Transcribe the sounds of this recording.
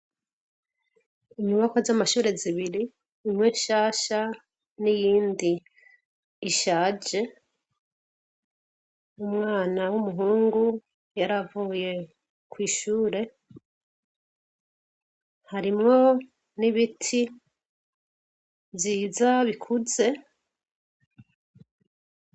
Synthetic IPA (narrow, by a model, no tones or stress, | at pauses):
imuβakozamaʃuːɾe̞ziβiɾi | imŋeʃaːʃa | nijiːndi | ʃaːd͡ʒe̞ | umŋaːnawumuɦuːŋɡu | jaɾavuːje̞ | kwiːʃuːɾe̞ | haɾimŋo̞ | niβitʰi | ziːzaβikʰuze̞